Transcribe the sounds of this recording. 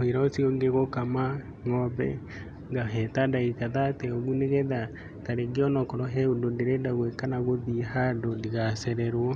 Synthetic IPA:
oiɾaosioŋɡeɣokama | ŋɔbɛ̰ | ɡaɦɛtadaikaðatɛɔɣuneɣɛða | taɾeɡeɔnɔkɔɾɔɦɛundondeɾedaɣwekanaɣoðiɦandondiɣasɛɾɛɾwɔ

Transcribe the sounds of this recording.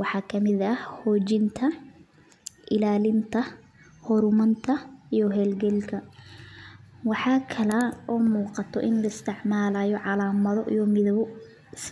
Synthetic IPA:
wɑħɑːkʰɐmɪðɐhhɔːt͡ʃɪnt̪ʰɐ | ʔɪlaːlɪnt̪ʰɐ | hɔɾʊmɐnt̪ʰɐijɔɦɛːlɡɛlkʰɐ | wɑħɑːkʰɐlɐɔːmuːqɑt̪ʰɔ̰ʔɪnlɐɪst̪ʰɪʕmaːlaːjɔʕɑlaːmɐðɔʔijɔmɪðɔβʊ | s

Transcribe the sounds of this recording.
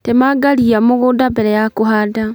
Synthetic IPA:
temaɡaliamoɣudabeɾejakuɦada

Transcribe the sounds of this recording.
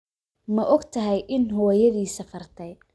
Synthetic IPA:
mɐʔɔɡt̪ʰɐɦɛjʔɪnɦɔːjɐðiːsɐfɐrt̪ʰɛj

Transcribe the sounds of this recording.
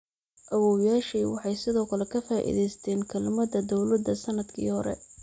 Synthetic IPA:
ʔɐwɔːwjaːʃiːwɑħɑjsɪðɔːkʰɐlɛkʰɐfaːʔḭðɛjst̪ʰɛːnkʰɐlɪmɐðɐd̪ɔwlɐd̪ːɐsɐnɐd̪kʰḭːhɔɾɛ̰

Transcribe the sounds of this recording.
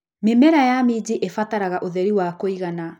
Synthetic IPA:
memɛɾajamid͡ʑiʔefataɾaɣaʔoðɛɾiwakoiɣana

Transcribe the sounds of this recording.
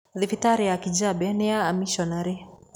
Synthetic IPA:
ðifitaɾiakid͡ʒabɛnɛaːmiʃɔnaɾi

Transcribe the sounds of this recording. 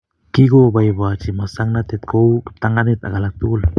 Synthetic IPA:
kiɡobajβat͡ʃimasaŋnat̪et̪̚koukə̥p̚t̪aŋanit̪a̰ɡalat̪ul

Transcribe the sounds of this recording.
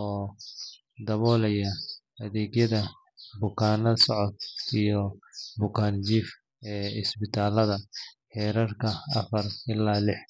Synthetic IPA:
ɔː | d̪ɐβɔːlɛjɐ | ɐðɛːɡjɐðɐ | bʊkʰaːnɐsɔʕɔt̪̚ijɔbʊkʰaːnt͡ʃiːf | ɛːɪsbɪt̪ʰaːlɐðɐħɛːɾɐrkʰɐɐfɐrɪlaːlɪħ

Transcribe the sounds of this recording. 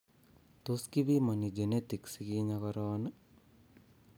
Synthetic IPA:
t̪oskibimɐnid͡ʒenet̪iksikiːɲakɐɾɐʋanə

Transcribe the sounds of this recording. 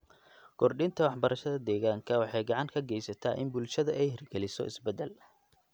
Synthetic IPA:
kʰɔrɖɪnt̪ʰɐwɑħbɐɾɐʃɐðɐd̪ɛːɣaːŋkʰɐwɑħɑjɡɑʕɑŋkʰɐɡɛjsɐt̪ʰa̰ːʔɪnbʊlʃɐðɐʔɛjhɪrɡɛlɪsɔ̰ɪsbɛd̪ɛl

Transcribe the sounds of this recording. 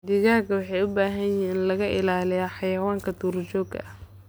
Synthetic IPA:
d̪ɪɣaːɡɐwɑħɑjʊbaːɦɐnjɪɦiːnlɐɣɐʔɪlaːlɪjaːħɑjɐwaːŋkʰɐt̪ʰuːrt͡ʃɔːɡɐ̰h

